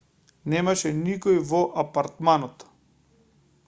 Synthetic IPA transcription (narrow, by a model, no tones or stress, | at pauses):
nɛmaʃɛnikɔjvɔʔapaɾt̪manɔt̪